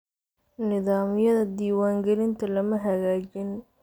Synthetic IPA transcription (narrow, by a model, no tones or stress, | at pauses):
nɪðaːmɪjɐðɐd̪iːwaːŋɡɛlɪnt̪ʰɐlɐmɐɦɐɣaːt͡ʃɪn